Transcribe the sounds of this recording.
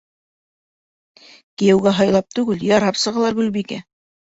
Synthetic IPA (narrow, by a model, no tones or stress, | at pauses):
kijɘ̆wɡæɦɑjlˠɑp̚t̪ʉɡɘljɑɾɑpsɤ̆ʁɑlˠɑɾɡʉlbikæ